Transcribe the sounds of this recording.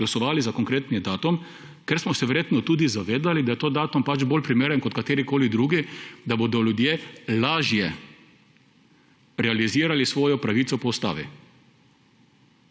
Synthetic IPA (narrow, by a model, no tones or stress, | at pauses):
lasɔʋaːlizakoŋkɾeːt̪nid̪aːt̪um | kɛɾsmɔsɛʋɛɾjeːt̪nɔt̪uːd̪izaʋeːd̪alid̪ajɛt̪oːd̪aːt̪umpad͡ʒboːlʲpɾimeːɾɛŋkɔt̪̚kat̪eːɾikoːlid̪ɾuːɡid̪abod̪ɔljud̪jeːlaːʒjɛ | ɾɛaliziːɾalisʋoːjɔpɾaʋiːt̪sɔpɔust̪a̰ːʋḭ